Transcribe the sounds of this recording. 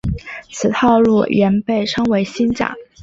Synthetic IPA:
t͡sʰɹ̩˨˩t̪ʰɑ˥˧ʊlṵ˥˩ɥɛ˧˥npe˥˩ɪʈ͡ʂʰɤ˥ŋwe˧˥ɪɕi˥nt͡ɕa̰˨˩˦ŋ

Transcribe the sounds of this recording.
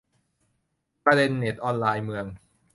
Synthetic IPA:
pɾa˧de˧nːeː˨˩t̪̚ʔɔː˧nlaː˧jmɯ˧əŋ

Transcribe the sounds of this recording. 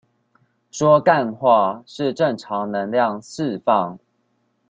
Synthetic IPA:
ʂwɔ˥˦ka˥˨nxwa˥˨ʂɻ̩˥˨ʈ͡ʂə˥˨ŋʈ͡ʂʰɑ˨˦ŋnə˧˦ŋljɑ˥˨ŋsɻ̩˥˨fɑ˥˨˩ŋ

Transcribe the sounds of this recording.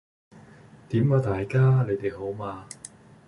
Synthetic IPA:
t̪iː˨˥mwaː˨˧t̪aː˨jkaː˥le˨˧t̪e˨jɦo˨˥wmaː˧

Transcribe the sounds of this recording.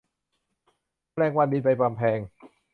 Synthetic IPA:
ɾɛː˧˩ŋwa˧nbiː˧pa˧jpa˧mpʰɛː˧ŋ

